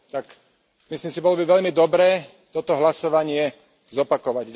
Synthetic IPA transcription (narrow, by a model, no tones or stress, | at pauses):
t̪ak | misliːmsibɔlɔbiʋɛʎmid̪ɔbɾɛː | t̪ɔt̪ɔɦlasɔʋaɲɪɛ | zɔpakɔʋaɟ